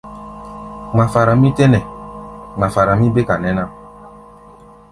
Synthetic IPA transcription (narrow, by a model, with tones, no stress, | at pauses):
ŋ͡ma˨fa˨ɾa˨mi˦tɛ˦nɛ˨ | ŋ͡ma˨fa˨ɾa˨mĩ˦be˦ka˨nɛ˦na˦